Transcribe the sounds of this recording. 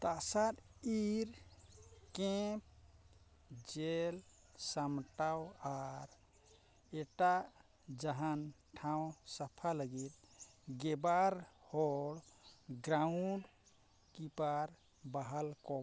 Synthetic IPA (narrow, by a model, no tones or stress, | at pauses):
t̪asaɾiɾ | kẽp̚ | d͡ʒel | səmʈawaɾ | eʈa | d͡ʒəɦənʈʰãw̃səpʰaləɡiɾ | ɡebaɾhoɽɡɾauɳɖ | kipaɾ | baɦəlkɔ